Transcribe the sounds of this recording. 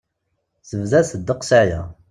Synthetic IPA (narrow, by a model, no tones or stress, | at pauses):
səvðæsəd̪ːəqsæjæ̰